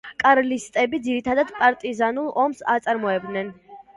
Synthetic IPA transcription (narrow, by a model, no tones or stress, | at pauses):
kʼaɾlist̪ʼɛbid̪ziɾit̪ʰad̪ad̪pʼaɾt̪ʼizanulˠɔmsat̪sʼaɾmɔɛb̚d̪nɛn